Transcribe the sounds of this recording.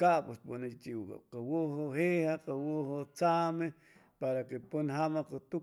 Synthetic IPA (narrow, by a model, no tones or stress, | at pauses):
kaʔpesponet͡ʃiwka̰qewohohehaqawohot͡same | paɾakeponɦamaqet̪u